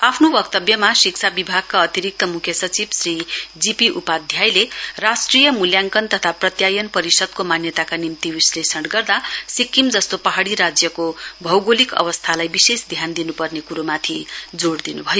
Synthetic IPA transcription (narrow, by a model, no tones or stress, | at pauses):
apʰnobʌk̚t̪ʌbjʌmasiksʰabibʱaɡ̚kaʌt̪iɾik̚t̪ʌmukʰjʌsʌt͡sibsrid͡zipiʔupad̪ʱjajlerasʈrijʌmuljaŋkʌnt̪ʌt̪ʰaprʌt̪jajʌnpʌɾisʌd̪̚komanjʌt̪akanimt̪ibislesʌɽɡʌrd̪asikːimd͡zʌst̪opaɦaɽiɾad͡zjʌkobʱʌwɡolikʌ̰βʌst̪ʰalajbisesd̪ʱjand̪inupʌrnekuɾomat̪ʰid͡zoɽd̪inubʱʌjo